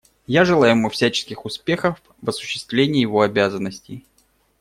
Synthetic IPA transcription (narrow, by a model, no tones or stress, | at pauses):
jaʐɨlˠajɪmufsʲæt͡ɕɪ̥skʲɪxʊspʲe̞xəf | vɐsʊ̥ɕːɪ̥st̪vlʲenʲɪjːjɪvo̞ɐbʲazənːəsʲtʲɪj